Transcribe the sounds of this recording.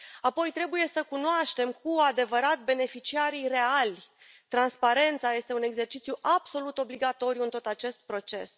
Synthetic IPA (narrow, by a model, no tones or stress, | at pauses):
apo̞jt̪ɾe̞buje̞səkunoaʃt̪e̞mkuad̪e̞vəɾat̪be̞ne̞fit͡ʃiaɾijre̞alʲ | t̪ɾanspaɾe̞nt̪saje̞st̪e̞une̞ɡze̞rt͡ʃit̪sjuʔab̥so̞lut̪o̞bliɡat̪o̞ɾijuɨnt̪o̞t̪at͡ʃe̞st̪̚pɾo̞t͡ʃe̞̰s